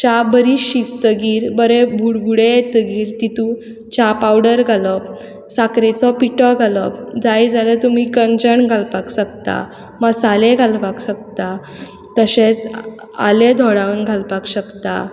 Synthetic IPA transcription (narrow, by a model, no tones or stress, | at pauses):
t͡ɕabəɾiit͡st̪əɡiːɾbəɾebʱuɽɡuɽeet̪əɡiːɾt̪it̪ũ | t͡ɕapawɽəɾɡʱalɔp | sakɾet͡sɔpiʈɔɡʱalɔpd͡zajd͡zalət̪um̤iːkənd͡ʑəɳɡʱalpakɕəkt̪a̰ | məsaleɡʱalpakɕək̚t̪a | t̪əɕet͡s | a̰led̪ʱɔɽanɡʱalpakɕəkt̪a̰